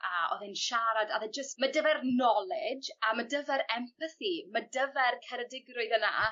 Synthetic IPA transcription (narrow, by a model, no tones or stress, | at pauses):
ʔaɔ̰ðɨnʃaɾadaðɛd͡ʒəstmadəvɛrnɔlˠɪd͡ʒamadəvɛɾɛmpʰəθimadəvɛrkʰɛɾədɪɡrʊɨðəna̰